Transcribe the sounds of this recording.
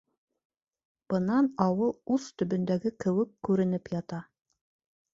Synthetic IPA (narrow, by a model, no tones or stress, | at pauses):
b̥ɤ̆nɑnɑwɤlˠʉθt̪ɵ̆bɵ̆nd̪æɡɘkɘ̆wɘkːʉɾɘ̆nɘpjɑt̪ɑ